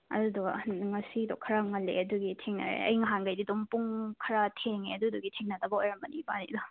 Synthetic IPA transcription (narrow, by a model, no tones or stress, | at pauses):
ɐ̰dudɔŋɐsidɔkʰɐɾaŋɐlːḛɐduɡitʰeŋnɐ̰ɾḛɐ̰jŋɐɦanɡɐjdidɔmpuŋkʰɐɾatʰeŋeɐduduɡitʰeŋnɐtɐbɐojɾɐmbɐnibanidɔ